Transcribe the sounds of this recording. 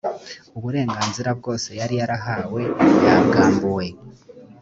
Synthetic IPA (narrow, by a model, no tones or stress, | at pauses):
uβuɾe̞ːŋɡaːnziɾab̚ɡo̞ːse̞jaɾijaɾaɦaːwe̞jaɡaːmbuwe̞